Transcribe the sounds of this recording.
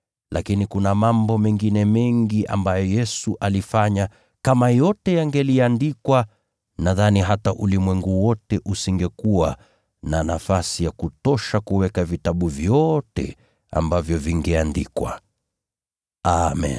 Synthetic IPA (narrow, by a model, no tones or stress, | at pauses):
lʔakinikunamambɔmɛŋɡinɛmɛŋɡiʔa̰mbajɔjɛsuʔalifaɲa | kamajɔtɛjaŋɡɛliandikwa | naðaniɦataʔulimwɛŋɡuwɔtɛʔusiŋɡɛkuwa | nanafasijakutɔʃakuwɛkavitaɓuvjɔtɛ̰ | a̰mbavjɔviŋɡɛandikwa̰ | amɛ̰n